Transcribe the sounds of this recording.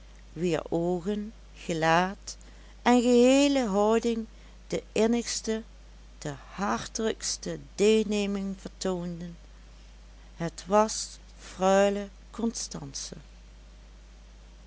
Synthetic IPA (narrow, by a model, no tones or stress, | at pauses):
ʋɪːɹoːɣən | χəlaːt | ʔɛnɣəɦeːləɦɔwdɪŋ | dəɪnəxstə | d̥əhɑɹtələkstədeːlˠneːmɪŋvəɹtoːndən | ɦətʋɑs | frœɥlə | kʰɔnstɑnsə̰